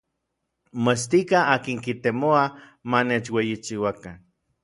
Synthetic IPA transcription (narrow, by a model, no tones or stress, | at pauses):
most̪ikaakiŋkit̪emoa | manet͡ʃwejit͡ʃiwakan